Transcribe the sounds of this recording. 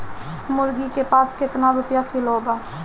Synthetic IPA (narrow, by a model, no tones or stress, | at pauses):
mʊɾɡikepaːskɪt̪naɾʊpjakɪlobaː